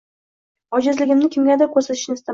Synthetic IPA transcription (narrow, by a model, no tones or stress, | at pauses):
ɒd͡ʒɪzlɪɡʲɪmnɪkʲʰɪmɡʲad̪akʲʰɵɾsat̪ʰɪ̥ʃnɪst̪ɪ